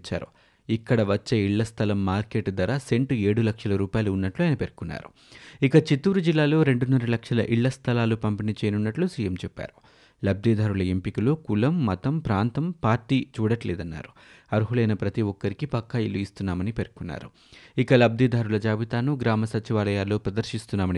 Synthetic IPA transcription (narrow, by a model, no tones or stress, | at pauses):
t͡ʃːa̰ːɾu | ikːɐɽɐʋɐt͡ʃːeiɭːɐst̪ʰɐlɐmːaːɾke̞ːʈd̪ɐɾaːse̞ɳʈe̞ːɽulɐkʂɐlɐɾuːpaːjluːnːɐʈluɐːjnɐpe̞ɾkunːa̰ːɾu | ikɐt͡ʃit̪ːuːɾud͡ʒilːaːlo̞ːɾe̞ɳɖunːɐɾɐlɐkʂɐlɐ̰ʔiɭːɐst̪ʰɐlaːlupɐmpinit͡ʃɛːjɐnunːɐʈlusiːjemt͡ʃɛpːa̰ːɾu | lɐb̚d̪ʱiːd̪ʱaːɾulɐempikiloːkulɐmːɐt̪ɐmpɾaːnt̪ɐmpaːɾʈiːt͡ʃuːɽɐʈlɛːd̪ɐnːa̰ːɾu̥ | ɐɾuɦulɐjnɐpɾɐt̪iʋɔkːɐɾikipɐkːɐilːuist̪unːaːmɐnipe̞ɾukunːa̰ːɾu | ikɐlɐb̚d̪id̪aːɾulɐd͡ʒaːʋit̪aːnuɡɾaːmɐsɐt͡ʃiʋaːlɐjaːlːo̞ːpɾɐd̪ɐɾʃist̪unːaːmɐni